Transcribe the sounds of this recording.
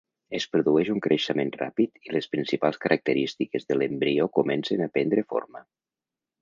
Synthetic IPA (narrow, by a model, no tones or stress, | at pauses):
espɾuðuɛʃuŋkɾʔeʃəmenra̰pit̪ilespɾinsipalˠskəɾʔak̚t̪əɾist̪ikezðəlembɾiokumɛnsenapɛnd̪ɾəfo̰ɾmə